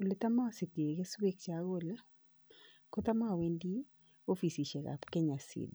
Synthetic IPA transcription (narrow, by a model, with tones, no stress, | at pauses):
u˨lɪ˦t̪a˦ma˦˨sɪ˨te˨ke˦swe˦kt͡ʃa˨ɣo˦la˦ | ko˦t̪a˦ma˦˨we˦ndi˦ | o˦fi˨si˨ʃe˨ka̰˨pkɛ˦ɲa˨sḭ˨d